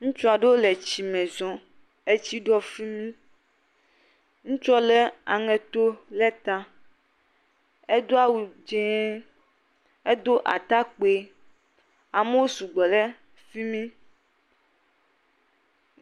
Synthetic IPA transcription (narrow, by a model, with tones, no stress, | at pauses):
ŋũ˦t͡ʃɔ˦a˨ɖe˦wo˦lɛ˨t͡ɕi˨mɛ̃˨zɔ̃˨ | e˦t͡ɕi˦ɖɔ˦fi˦mĩ˦ | ŋũ˦t͡ʃɔ˦lɛ˦a̰˨ŋɛ̃˨t̪o˦lɛ˦t̪ã˦ | e˦d̪o˦a˦wu˨d͡ʒɛ̃˦ | e˦d̪o˦ʔa̰˨t̪a˦k͡pe˦ | a˨me˦wo˦su˨ɡ͡bɔ˨lɛ˦ | fi˦mĩ˦